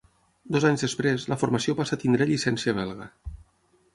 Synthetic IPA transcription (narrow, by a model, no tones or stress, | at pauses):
d̪ɔzaɲzðespɾezləfoɾmasiopasəat̪ind̪ɾeʎisɛnsiəβ̞ɛlˠɣə